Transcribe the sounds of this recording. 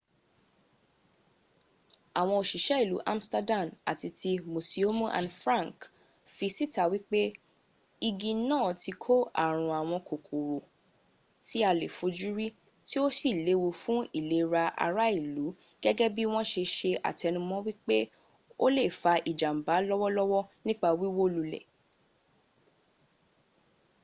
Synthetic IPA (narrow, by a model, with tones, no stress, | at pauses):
a˨w̃ɔ̃˧o˨ʃi˨ʃɛ˦i˦˨lu˨˦ʔa̰˦m̩˦sta˧dã˦˨ma̰˨ti˧tʰi˧mũ˨si˨o˦mũ˦ʔã̰˨˧nfɾã˦˨ŋk | fi˧si˦ta˦wi˦k͡pe˦ | i˧ɡĩ˧nãː˦˨ti˧kʰo˦a̰˨ɾ̃ũ˧a˨w̃ɔ̃˧ko˨kʰu˨ɾo˨ | ti˦a˧le˨fo˨˧d͡ʒu˦ɾi˦ | ti˦o˦si˦˨le˨˦wo˧fũ˦i˦˨le˨˦ɾa˧ʔa̰˧ɾa˦i˦˨lu˨˦ | ɡ̥ɛ˦ɡɛ˦bi˦w̃ɔ̃˦ʃe˧ʃe˧a̰˨ti˨ɛ˧nũ˧mɔ̃˦wi˦k͡pe˦ | o˦le˦˨fa˧ʔi˨d͡ʒa˨m̩˨ba˨˦lɔ˦wɔ˦lɔ˦wɔ˦nĩ˦k͡pa˧wi˦wo˦lu˧lɛ̰˨